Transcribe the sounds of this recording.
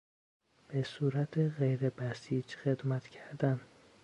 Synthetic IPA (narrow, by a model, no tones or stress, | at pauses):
b̥esuːɾæt̪ʰeɣejɾebæsiːd͡ʒxe̞d̪mæt̪cʰæɾd̪æn